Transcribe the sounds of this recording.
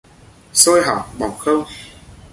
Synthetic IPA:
so˧jɦa̰˨˩ŋ͡m̚ɓɔ˨˩ŋ͡mxə˧w

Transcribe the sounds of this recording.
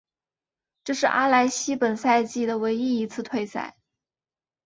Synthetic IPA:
ʈ͡ʂɤ˥˧ʂɻ̩˥˩ʔa̰˥la˧˥ɪɕi˥pə˨˩nsa˥˧ɪt͡ɕi˥˩d̪ə˩we˧˥ɪi˥i˧˥t͡sʰɹ̩˥˧t̪ʰwe˥˧ɪsa̰˥˩ɪ

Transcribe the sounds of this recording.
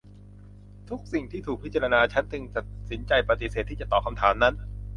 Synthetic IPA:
t̪ʰu˦˥k̚si˨˩ŋt̪ʰiː˥˩t̪ʰuː˨˩k̚pʰi˦˥t̚t͡ɕa˧ɾa˧naː˧t͡ɕʰa˦˥nt͡ɕ̪ɯ˧ŋt̪a˨˩t̪̚si˩˦nt͡ɕa˧jpɾa˧t̪i˨˩seː˨˩t̪ːiː˥˩t͡ɕa˨˩t̪ɔː˨˩kʰa˧mt̪ʰaː˩˦mna˦˥n

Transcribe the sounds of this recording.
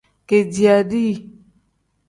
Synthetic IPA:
ke˨di˨a˨ɖi˦˨

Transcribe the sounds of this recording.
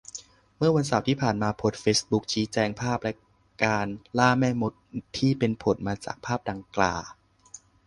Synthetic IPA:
mɯ˥˩ɐwa˧ns̬a˨˩˦wt̪ʰiː˥˩pʰaː˨˩nmaː˧pʰo˨˩t̪̚feː˦˥sbu˦˥k̚t͡ɕʰiː˨˦t͡ɕɛː˧ŋpʰaː˥˩p̚lɛ˦˥ | kaː˧nlaː˥˩mɛː˥˩mo˦˥t̪̚ʰːiː˥˩pe˧npʰo˨˩˦n̚maː˧t͡ɕa̰ː˨˩k̚pʰaː˥˩p̚da˧ŋkla̰ː˨˧˩

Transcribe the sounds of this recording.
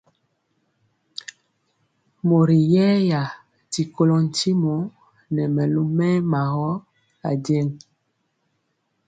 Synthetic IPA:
mo˨ɾi˨jɛ˦ja˨ | ti˨ko˦lɔ˨n˨ti˦mo˨˦ | nɛ˨mɛ˨lo˦mɛ˦ma˨ɣɔ˦ | a˨dɛ˦ŋ

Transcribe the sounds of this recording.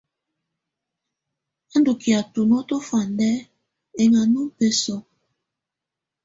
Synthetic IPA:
a˦ndo˨ki˨a˨tu˨no˦to˦fa˨ndɛ˦ | e˨ŋa˨nu˦pe˦sɔ˨

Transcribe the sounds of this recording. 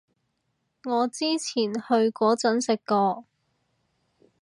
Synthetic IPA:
ŋɔː˨˧t͡siː˥t͡sʰiː˨˩nhɵ˧ɥkɔː˨˥t͡sɵ˨˥nsɪ˨kkːɔː˧

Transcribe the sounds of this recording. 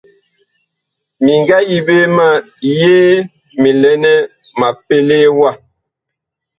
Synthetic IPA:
mi˨ŋɡa˦ji˨be˦ma˦˨ | jeː˦ | mi˨lɛ˦nɛ˦ | ma˨pe˦le˦wa˦˨

